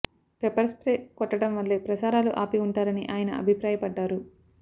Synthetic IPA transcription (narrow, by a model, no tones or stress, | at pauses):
pepɐɾspɾeːkɔʈːɐʈɐmʋɐlːeːpɾɐsaːɾaːluʔaːpiuɳʈaːɾɐniʔaːjɐnɐɐ̰bʱipɾaːjɐpɐɖːaːɾu